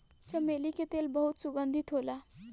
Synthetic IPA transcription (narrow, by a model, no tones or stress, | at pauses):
t͡ɕəmeliket̪elbəɦut̪suɡənd̪ʱit̪ɦola